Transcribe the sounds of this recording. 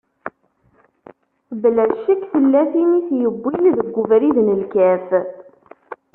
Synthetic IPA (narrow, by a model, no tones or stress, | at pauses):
θblæʃəkθəlːæθiniθjəbːiliðəɡʷːʊvɾiðnəlkæf